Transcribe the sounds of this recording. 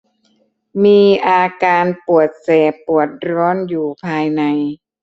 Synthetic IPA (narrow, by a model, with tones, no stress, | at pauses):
miː˧ʔaː˧kaː˧npu˨˩ət̪̚sɛː˨˩pu˨˩ət̪̚ɾɔː˦˥njuː˨˩pʰaː˧jna˧j